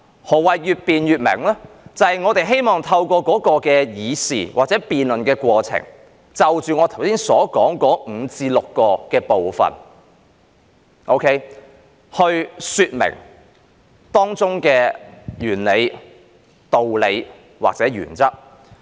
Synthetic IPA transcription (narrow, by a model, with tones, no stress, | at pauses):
hɔː˨˩wɐ˨jjyː˨˧t̚piː˨njyː˨˧t̚mɪ̰˨˩ŋlɛː˥ | t͡sɐ˨hɐ˨jŋɔː˨˧t̪e˨˩jɦe˥jmɔː˨˩ŋt̪ʰɐ˧wkʷɔː˧kɔː˨˥kɔː˧kɛː˧jiː˨˧sḭː˨˩waː˨k̚t͡sɛː˨˥piː˨nlɵ˨nkɛː˧kʷwɔː˧t͡sʰɪ̰˨˩ŋ | t͡sɐ˨wt͡ʃyː˨ŋɔː˨˧t̪ʰɐ˨˩wsiː˥nsɔː˨˥kɔː˨˥ŋkɔː˨˥ŋ̩˨˧t͡siː˧lʊ˨kːɔː˧kɛː˧po˨wfɐ̰˨n | ʔo˥wkʰe˥j | hɵ˧ɥsyː˧t̚mɪ̰˨˩ŋ | t̪ɔː˥ŋt͡sʊ˥ŋkɛː˧jyː˨˩nle˨˧j | t̪o˨wle˨˧j | wa̰ː˨k̚t͡sɛː˨˥ɥy̰ː˨˩nt͡sɐ˥k̚